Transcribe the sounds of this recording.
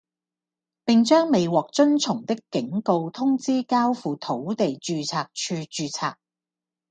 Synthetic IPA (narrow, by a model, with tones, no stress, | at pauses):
pɪ˨ŋt͡ʃœː˥ŋme˨jwɔː˨k̚t͡sɵ˥nt͡sʰʊ˨˩ŋt̪ɪ˥kːɪ˨˥ŋko˧wt̪ʰʊ˥ŋt͡siː˥kaː˥wfuː˨t̪ʰo˨˥wt̪e˨jt͡ʃyː˧t͡sʰaː˧k̚t͡ʃʰyː˧t͡ʃyː˧t͡sʰa̰ː˧k̚